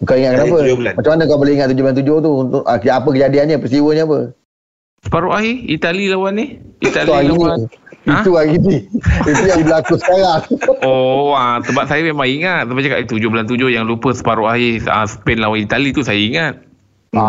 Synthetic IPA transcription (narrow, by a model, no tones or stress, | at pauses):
ŋkawiŋat̪̚kənapəmat͡ʃamanəkawboleiŋat̪̚t̪ːud͡ʒoblant̪ud͡ʒoht̪uunt̪ʊʔʔkapək̬əd͡ʒadianɲapəst̪iwəɲaːp̬ə | sə̥paɾoʔaɦiit̪alilawanihit̪alaɡaiãt̪uaɡiniit̪ujaibəlakusə̥kaɾaŋɔat̪əbat̪̚sajəmemaŋiŋat̪̚səbat͡ʃaka̰ʔit̪ud͡ʒobəlant̪ud͡ʒohjaŋlupəsə̥paɾoʔaɦia̰sə̥pɛnlawanit̪alit̪usajəiŋat̪̚ | a